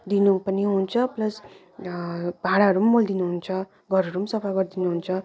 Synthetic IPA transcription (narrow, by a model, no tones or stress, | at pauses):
d̪inupʌniɦunt͡sʰʌplʌs | bʱaɽaɦʌɾummold̪inuɦunt͡sʰʌ | ɡʱʌɾʌɾumsʌpʰaɡʌrd̪inuɦunt͡sʰʌ